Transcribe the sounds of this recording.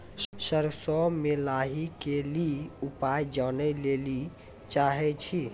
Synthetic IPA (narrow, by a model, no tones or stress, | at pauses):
səɾsɔmelaɦikeliupajd͡ʒanɛleli | t͡ʃaɦɛt͡ʃʰi